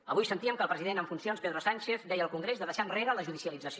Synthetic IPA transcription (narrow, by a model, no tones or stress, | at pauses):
əβujsənt̪iəmkəlˠpɾəziðenəɱfunsionspeðɾosanʲt͡ʃeθd̪ɛjəlˠkuŋɡɾezðəðəʃanreɾələʒuðisiəlid͡zəs